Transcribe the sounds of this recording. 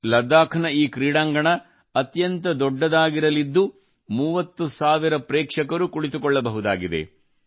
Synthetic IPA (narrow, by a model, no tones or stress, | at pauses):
lɐd̪ːaːkʰɐnɐiːkɾiːɽaːŋɡɐɳɐ | ɐt̪jɐnt̪ɐd̪ɔɖːɐd̪aːɡiɾɐlid̪ːu | muːʋɐt̪ːusaːʋiɾɐpɾɛːkʂɐkɐɾukuɭit̪̬ukɔɭːɐbɐɦud̪aːɡid̪ḛ